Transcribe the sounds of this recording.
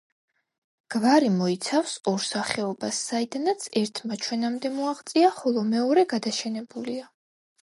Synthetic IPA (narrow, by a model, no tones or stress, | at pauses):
ɡ̥vaɾimɔit̪sʰafsɔɾsaχɛɔbasːaid̪anat̪sʰɛɾt̪ʰmat͡ʃʰwɛnamd̪ɛmuaʁt̪sʼiaχɔlˠɔmɛɔɾɛɡad̪aʃɛnɛbulia